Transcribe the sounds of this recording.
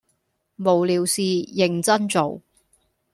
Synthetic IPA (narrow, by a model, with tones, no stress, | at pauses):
mo˨wliː˨wsiː˨jɪ˨˩ŋt͡sɐ˥nt͡so˨w